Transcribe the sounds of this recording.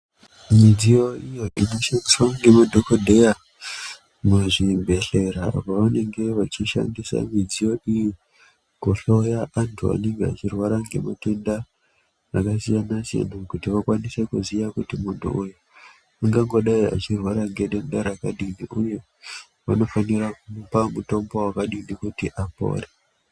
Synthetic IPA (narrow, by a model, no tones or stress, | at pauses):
mid͡zijo̞ijo̞ʔino̞ʃandiswaŋɡe̞madʱokodʱe̞ja | muʐibʱe̞ɬe̞ɾapaʋane̞ŋɡe̞ʋat͡ʃiʃa̰ndisa̰mid͡zijo̞iji | koɬojaʔantʰua̰ne̞ŋɡea̰t͡ʃirwaɾaŋɡe̞̰mate̞ndaː | kasijanasija̰nakutiʋakwanise̞kuzijakutimuntṵʔuju | aŋɡaŋɡo̞ɗaia̰t͡ʃirwaɾaŋɡeɗendaɾakaɗiniʔuje | ʋano̞fanirakuupamuto̞mbowakaɗindikutiʔapo̰ːre